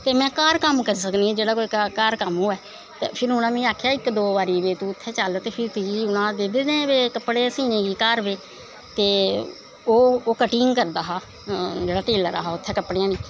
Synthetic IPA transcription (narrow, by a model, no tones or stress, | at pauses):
t̪eːmɛ̃ːkaːɾkəmkəɾisəkniːɛ̃ːd͡ʒeːɽaːkoːiːkakaːɾkəmoːɛː | t̪ḛːpʰɪɾʊñãːmĩːaːkʰjaːɪkd̪oːʋaːɾiːʋeːt̪ũːʊt̪ʰːɛːt͡ʃalt̪eːpʰɪɾt̪iːʊñãːd̪eːd̪eːnẽːʋeːkəpːɽeːsiːnẽːɡiːkaːɾbeː | t̪eː | oːoːkəʈiːŋkəɾd̪aːɦaː | d͡ʒeːɽaːʈeːləɾa̰ːɦaːʊt̪ʰːɛːkəpːɽeãːniː